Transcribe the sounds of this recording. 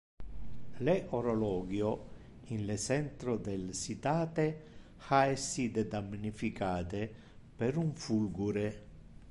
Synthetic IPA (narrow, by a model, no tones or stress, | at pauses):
lɛʔoɾolɔːɡjo | inlesɛnt̪ɾod̪elsit̪aːt̪e | xaɛsid̪ed̪amnifikaːt̪e | peɾuɱfulɡuɾe